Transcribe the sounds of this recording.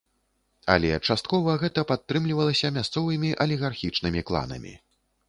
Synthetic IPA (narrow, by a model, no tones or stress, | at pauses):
ɐ̰lʲɛt͡ʂast̪̚kɔvɐɣɛt̪ɐpat̪ːɾɨmlʲivɐlˠɐsʲɐmʲast̪sɔvɨmʲiʔɐlʲiɣarxʲit͡ʂnɨmʲiklˠa̰nɐ̰mʲḭ